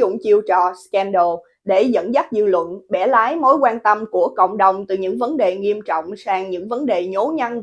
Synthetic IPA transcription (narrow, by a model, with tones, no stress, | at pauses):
ʊ̰˧˨ŋ͡mt͡ɕi˧əwt͡ɕɔ˨˩skɛ˧nɗo˧˩ | ɗe˧˩zə̰˧˥nza˦˥k̚zɨ̰˧˨lwə̰˧˨nɓɛ˧˩laː˨˦jmo˨˦jkwaː˧nt̪ə˧mku˧˩əkə̰˧˨wŋ͡mɗə˨˩wŋ͡mt̪ɨ˨˩ɲɨ̰˧˥ŋvə˨˦nɗe˨˩ŋi˧əmt͡ɕɔ̰˧˨wŋ͡msaː˧ŋɲɨ̰˧˥ŋvə˨˦nɗe˨˩ɲo˨˦ɲa˧n